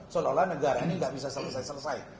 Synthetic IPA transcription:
sololanəɡaɾaniŋɡaʔbisasələsaisələsaj

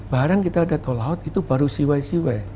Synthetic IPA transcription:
baɾaŋkit̪aːdat̪olaʊt̪it̪ubaɾusiwaisiwaj

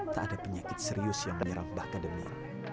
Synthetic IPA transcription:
t̪aʔːdapəɲakɪt̪̚səɾiʊsjaŋməɲəɾambahkadəmḭ

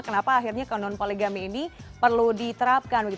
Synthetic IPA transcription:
kənapaːɦirɲakanɔnpoleɡamiːnipərludit̪əɾap̚kanbəɡit̪

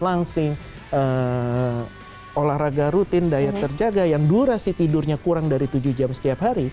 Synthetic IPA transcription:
laŋsɪŋ | ə | olahɾaɡaɾut̪ɪndajart̪ərd͡ʒaɡajaŋduɾasɪt̪idʊrɲakuɾaŋdaɾit̪ud͡ʒuhd͡ʒamsə̥t̪iapɦaɾi

